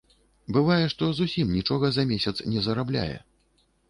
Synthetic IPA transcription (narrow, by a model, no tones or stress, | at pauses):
bɨvajɛʂt̪ɔzusʲimnʲit͡ʂɔɣɐzɐmʲesʲɐt̪snʲɛzɐɾablʲa̰jɛ̰